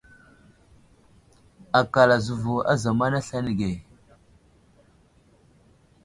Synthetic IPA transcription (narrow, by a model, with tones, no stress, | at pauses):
a˨ka˨la˨zu˨vu˨a̰˦za˨ma˦na˦ɬa˦ni˨ɡe˨